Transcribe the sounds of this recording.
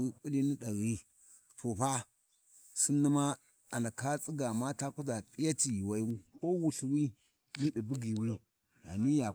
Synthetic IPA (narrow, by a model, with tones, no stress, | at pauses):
wi˦ku˦li˦ni˦ɗa˨ɣi˦ | tʰo˨ɸa˦ | si˦nːi˦ma˦ | a˨na˨ka˦t͡sʼi˦ɡa˨ma˦ta˦ku˦da˨pʼi˦ja˦ti˨wa˨i˦u˦ko˦wu˨ɬwi˦ | ni˦ɗi˨bu˦ɡi˨wi˦ | ja̰˨ni˦ja˨